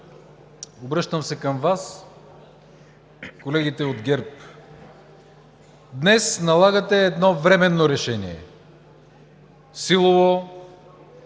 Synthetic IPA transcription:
obɾɤʃt̪əmsɛkəmvas | kolɛɡit̪ɛod̪ɡʲɛɾp̚ | d̪nɛsnɐlˠaɡɐt̪ɛːd̪nɔvɾɛmɛnːoɾɛʃɛnḭɛ̰ | silˠovo

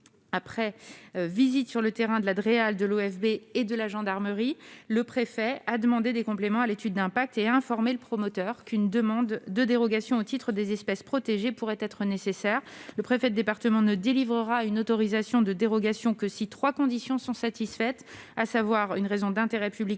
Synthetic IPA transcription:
apχɛvizit̪syʁlət̪eʁɛ̃d̪əlad̪ʁeald̪əloɛfbeːd̪əlaʒɑ̃d̪aʁməʁiləpχefɛad̪əmɑ̃d̪ed̪ekɔ̃plemɑ̃alet̪yd̪̚ːɛ̃pak̚t̪eaɛ̃fɔʁmeləpχɔmɔt̪œʁkynd̪əmɑ̃d̪ːəd̪eʁɔɡasjɔ̃ot̪it̪χəd̪ezɛspɛspχɔt̪eʒepuʁɛt̪ɛt̪χənesesɛʁləpχefɛd̪əd̪epaʁt̪əmɑ̃nəd̪elivʁəʁaynot̪ɔʁizasjɔ̃d̪əd̪eʁɔɡasjɔ̃kəsit̪χwakɔ̃d̪isjɔ̃sɔ̃sat̪isfɛt̪ | asavwaʁynʁezɔ̃d̪ɛ̃t̪eʁɛpyblik

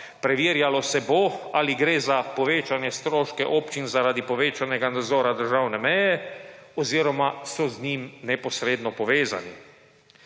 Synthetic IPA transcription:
pɾɛʋiːɾjalɔsɛboaːliɡɾeːzapɔʋeːt͡ʃanjɛst̪ɾoːʃkɛʔɔpt͡ʃinzaɾaːd̪ipɔʋeːt͡ʃanɛɡanad̪zɔːɾad̪əɾʒawnɛmɛjɛɔziːɾɔmasɔznimnɛpɔsɾeːd̪nɔpɔʋeːza̰ni

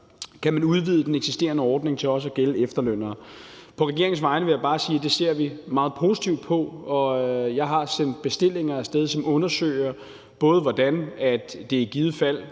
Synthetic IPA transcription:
kʰæmænuð̞ˠʋið̞ˠd̥eneɡ̥sisd̥e̝̰ːɐnəɒːd̥ne̝ŋt͡sʰe̝lɒ̽s̬əæɡ̥eləefd̥ɐløn̰ɐːpʰɒ̽ʁɛɡ̥e̝ɐ̰eŋ̩sʋɑ̈ɪnəʋe̝jɑ̈ɪb̥ɑ̈ːsiːd̥e̝se̝ɐ̰ʋimɑ̈ːð̞̩ˠpʰo̝sit͡sʰiʊd̥̚pʰɒ̽ɒ̽jɑ̈ɪɦɑ̈sen̰d̥̚b̥e̝sd̥e̝l̰e̝ŋɐæsd̥eð̞ˠsɒ̽mʔɔ̽nɐsø̰ːɪ̰ɐ | b̥ɔ̽ːð̞̩ˠʋɒd̥ænæd̥ːe̝ɡ̥iːð̞̩ˠəfæl̰

